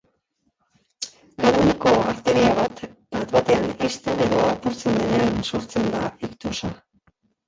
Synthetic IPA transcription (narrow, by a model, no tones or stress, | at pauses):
kaɾoniko̞aɾt̪e̞ɾiaβat̪bat̪βat̪e̞anist̪e̞ne̞ðo̞apuɾt͡se̞nd̪e̞neanso̞ɾt͡se̞nd̪aikt̪osa